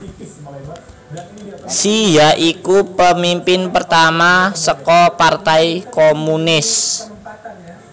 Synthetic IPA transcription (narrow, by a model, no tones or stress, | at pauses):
sijaʔikupəmimpɪnpərt̪amasəkɔpart̪ajkomunɪs